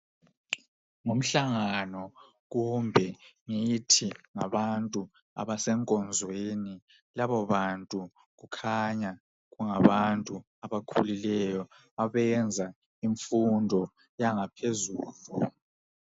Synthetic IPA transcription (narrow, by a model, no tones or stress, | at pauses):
ŋom̩ɬaŋanɔ | ɣ̬umbʱɛŋitʰiŋaβantʼu | a̰βasɛŋkʼɔnd͡zʱweni | laβɔβantʼu | ɣukʰaɲa | ɣuŋaβantʼu | aβakʰṵlilɛjɔ | aβɛnd͡zʱa | iɱfundʱɔ | jaŋapʰezuːlu